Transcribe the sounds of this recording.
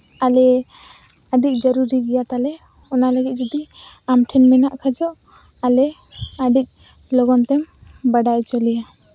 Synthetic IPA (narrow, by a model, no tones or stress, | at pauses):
alɛ | əɖic̚ˀd͡ʒəɾuɾiɡɛjat̪alɛ | ɔnaləɡit̪̚d͡ʒɔd̪i | amʈʰɛnmɛnaʔkʰad͡ʒɔʔ | alɛaɖik̚ˀlɔɡɔnt̪ɛmbəɖajt͡ʃɔlɛja